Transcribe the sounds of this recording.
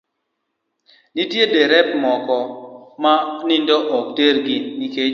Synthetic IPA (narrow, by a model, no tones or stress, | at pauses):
nitjedeɾɛp̚mɔkɔmanindɔʔɔk̚teɾɡinike